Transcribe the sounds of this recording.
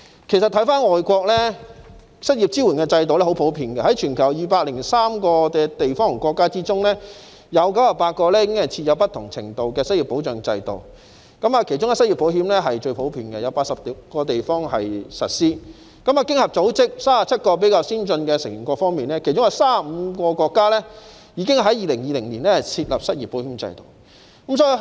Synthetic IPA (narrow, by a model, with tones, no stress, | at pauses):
kʰe˨˩jsɐ˨t̪ʰɐ˨˥jfaː˥nŋɔː˨jkʷɔː˧k̚lɛ˥ | sɐ˥t̚ji˨p̚t͡siː˥wu˨˩nkɛː˧t͡sɐ˧jt̪o˨wlɛ˥ho˨˥wpʰo˨˥wpʰiː˨˧nkɛ˧hɐ˨˦˥jt͡ʃʰyː˨˩nkʰɐ˨˩wjiː˨˩paː˧k̚lɪ˨˩ŋsaː˥mkɔː˧kɛ˧t̪e˨jfɔː˥ŋ˨˩kʷɔː˧kːaː˥t͡siː˥t͡sʊ˥ŋlɛː˥ | jɐ˨˧wkɐ˨˥waː˨˩paː˧t̚kɔː˧lɛ˥jɪ˧kɪ˥ŋhɐ˨jt͡sʰi˧t̚jɐ˨˧wpɐ˥t̪ʰʊ˨˩ŋt͡sʰɪ̰˨˩ŋt̪o˨wkɛː˧sɐ˥i˨˩pːo˨˥wt͡ʃœː˨˩ŋ˧t͡sɐ̰˧jt̪o̰˨˩w | kɐ˨˥maː˨˧kʰe˨˩jt͡ʃʊ˥ŋɐ˨sɐ˥t̚ji˨pːo˨˥wɦiː˨˥mlɛ˥ɦɐ˨jt͡ʃɵ˧ɥpʰo˨˥wpʰiː˨˩nkɛ˧jɐ˨˧wpaː˧tsɐ˨p̚ːkɔː˧t̪e˨jfɔː˥ŋɦɐ˨jsɐ̰˨t̚siː˥ | kɐ˨˥ma˨kɪ˥ŋhɐ˨p̚t͡so˨˥wt͡sɪ˥k̚saː˥sa˨p̚t͡sʰɐ˥t̚kɔː˧p̬e˨˥jkaː˧wsiː˥nt͡sɵ˧nkɛː˧sɪ˨˩ŋi˨˩ŋkʷɔː˧fɔː˥ŋmiː˨nɛ˥kʰe˨˩jt͡sʊ˥ŋjɐ˨˧wsaː˥˨m̩˨˧kɔː˧kʷɔː˧kːaː˥lɛː˥ | jiː˨˧kɪ˥ŋɦɐ˨˥jiː˨˧lɪ˨˩ŋjiː˨˧lɪ˨˩ŋliː˨˩nlɛ˥hɐ˨jt͡sʰiː˧t̚lɐ˨p̚sɐ˥t̚jiː˨˩pːo˨˥whiː˨˥mt͡sɐ̰˧jt̪o̰˨˩w | kɐ˨˦msɔː˧˥i˧